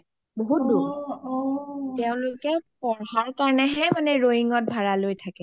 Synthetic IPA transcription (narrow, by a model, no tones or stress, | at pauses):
boɦut̚du | tɛʊ̃lʊkɛpɔɹɦaɹkaɹɔnɛɦɛmanɛɹoɦiŋɔt̚bʱaɹalojtʰakɛ